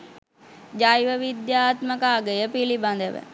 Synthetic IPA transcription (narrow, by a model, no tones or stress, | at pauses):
d͡ʒajʋəʋid̪jaːt̪məkaːɡəjəpiliband̪əʋə̰